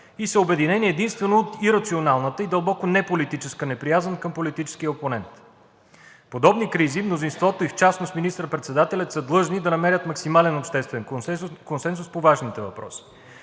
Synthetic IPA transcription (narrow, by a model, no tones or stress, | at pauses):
isəobɛd̪inɛniɛd̪inst̪vɛnoːt̪iɾɐt̪sionalˠnət̪əid̪ɐlˠbɔkonɛpolit̪it͡ʃɛskənɛpɾijazənkəmpolit̪it͡ʃɛ̥skijəoponɛnt̪ | pod̪ɔbnikɾizimnozinst̪vɔt̪oift͡ʃasnost̪minist̪ɾəpɾɛt̪sɛd̪at̪ɛlʲɐt̪səd̪lˠɤʒnid̪ɐnɐmɛɾʲət̪mɐksimalɛnopʃt̪ɛst̪vɛnkonsɛnsuspovaʒnit̪ɛvɐpɾɔ̰si̥